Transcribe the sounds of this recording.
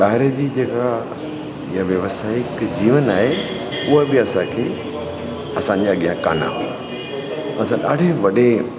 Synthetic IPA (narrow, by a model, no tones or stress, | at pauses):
ɓaːɦɪɾəd͡ʑiːd͡ʑeːka | jaʋjɐʋəsaːikd͡ʑiːʋənaːɦe | ʊɦəbɪɐsãkʰeː | ɐsãɲd͡ʑaɐɠijãka̰ːnã̰ɦua̰ | ɐsãɗaːɖʱeʋɐɗe